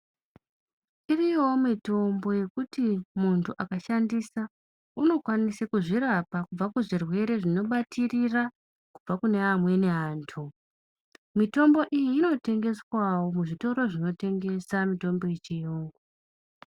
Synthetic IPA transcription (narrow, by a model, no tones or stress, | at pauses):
iriomito̞mbo̞je̞kutimuntʰuʔakaʃandisa | uno̞kwanisakuʐiɾapakub͡vakuʐirwe̞ɾe̞ʐino̞ɓatirira | kub͡vakune̞amwe̞ne̞ɦaːntʰu | mito̞mbo̞ʔijiːno̞te̞ŋɡe̞swawo̞muʐito̞ɾo̞ʐino̞te̞ŋɡe̞samito̞mbo̞jet͡ʃijoːŋɡo